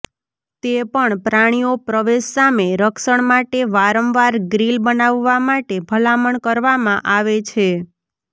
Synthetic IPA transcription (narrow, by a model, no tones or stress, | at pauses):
t̪epəɳpɾaɽ̃iopɾəʋeʃsameɾəkʃəɳmaʈeʋaɾəmʋaɾɡɾilbənaʋːamaʈebʱəlaməɳkəɾʋamãʔaʋet͡ʃʰe